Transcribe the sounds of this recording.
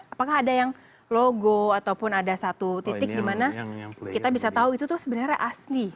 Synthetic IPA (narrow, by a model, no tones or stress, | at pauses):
apakahːdajaŋ | loɡoat̪awpʊnadasat̪ut̪it̪ɪk̚dimanakit̪abisat̪auit̪ut̪ʊhsəbənarɲaʔasli